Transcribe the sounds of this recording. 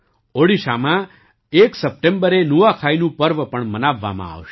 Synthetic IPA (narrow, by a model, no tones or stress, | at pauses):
oɽiʃa̰mã | eksəp̚ʈembəɾenuʋakʰainũpəɾʋpəɳmənaʋːa̰mã̰a̰ʋʃe